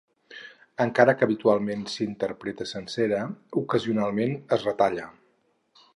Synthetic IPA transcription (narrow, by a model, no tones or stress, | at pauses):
əŋkaɾəkəːβit̪ualˠmensiint̪əɾpɾet̪əsənsɛɾəukəziunalˠmenəzrət̪aʎə